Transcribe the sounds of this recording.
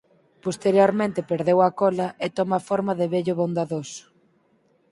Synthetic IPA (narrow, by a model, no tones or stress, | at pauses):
post̪eɾjoɾmẽnt̪ɪpeɾðewɐkɔlɐʔet̪omafɔɾmɐðeβeʎʊβõnd̪aðosʊ̥